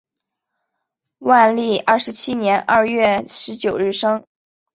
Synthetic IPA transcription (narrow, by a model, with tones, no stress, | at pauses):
wa˥˧nli˥˩ɐ˥˩ʂɻ̩˧˥t͡ɕʰi˥njɛ˧˥nʔɐ̰˥˧ɥɛ˥˩ʂɻ̩˧˥t͡ɕjo˨˩ʊɻɻ̩˥˩ʂɤ˥ŋ